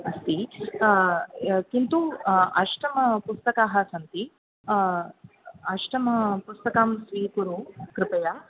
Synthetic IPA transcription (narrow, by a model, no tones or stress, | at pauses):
ɐst̪i | kint̪uɐʃʈɐmɐpust̪ɐkaːɦɐ̆sɐnt̪i | ɐʃʈɐmɐpust̪ɐkaːmsʋiːkuɾukɾɪpɐja